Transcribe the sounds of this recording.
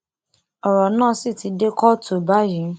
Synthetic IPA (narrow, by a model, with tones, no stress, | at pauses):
ɔ˨ɾɔ˨nãː˦˨si˦˨ti˧˦de˦kɔ˦to˨ba˨˦jĩ˨˦